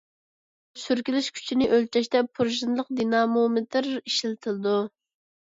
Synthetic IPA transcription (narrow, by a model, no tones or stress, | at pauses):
syɾkʲilɪʃkʲʰy̥t͡ʃʰinɪʔølt͡ʃʰɛʃt̪ɛpʰuɾʒinlˠəq̚d̪inɑmomɪt̪ʰɪɾiʃilɪt̪ʰɪlɨd̪u